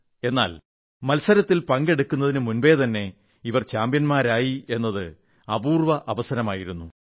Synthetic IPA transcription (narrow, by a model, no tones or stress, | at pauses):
e̞nːa̰ːl | mɐlsɐɾɐt̪ːilpɐŋɡe̞ɽukːunːɐðinɨmunbe̞ːt̪ɐnːe̞ | iʋɐrt͡ɕaːmbjɐnmaːɾaːjie̞nːɐðɨ | ɐbuːrʋɐʔɐʋɐsɐnɐmaːjiɾunːu